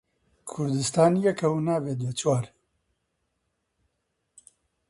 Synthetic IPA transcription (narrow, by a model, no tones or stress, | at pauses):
kʰʊɾd̪ɨst̪aːnjɛkʰɐwnaːveːd̪et͡ʃwaːɾ